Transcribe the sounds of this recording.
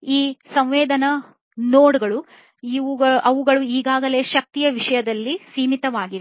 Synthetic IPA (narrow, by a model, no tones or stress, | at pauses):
iːsɐ̃m̃ʋeːd̪ɐnɐ | noːɽɡɐɭu | uʔɐʋuɡɐɭuiːɡaːɡɐle̞ːʃɐk̚t̪ijɐʋiʂɐjɐd̪ɐlːisiːmit̪ɐʋaːɡiʋ